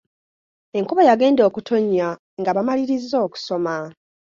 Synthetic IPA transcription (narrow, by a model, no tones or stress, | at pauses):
e̞ŋkuβajaɡe̞ːndo̞ːkutʰo̞ɲːa | ŋɡaβamaliɾizːo̞ːku̥so̞ma